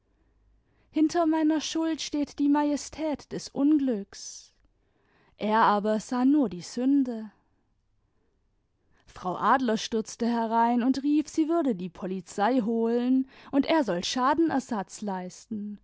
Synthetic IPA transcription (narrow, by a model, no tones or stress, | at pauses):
hɪntʰɐmaɪnɐʃʊltʃteːtd̥iːmajɛstʰɛːtd̥ɛsʔʊnɡlʏks | ʔeːɐʔaːbɐz̥aːnuːɐdiːzʏndə | fʁ̥aʊʔaːdlɐʃtʏɐt͡stəɦɛʁaɪnʊntʁiːfz̥iːvʏɐdədiːpʰɔlit͡saɪɦoːlənʔʊntʔeːɐzɔlʃaːdn̩ʔɛɐzat͡slaɪstn̩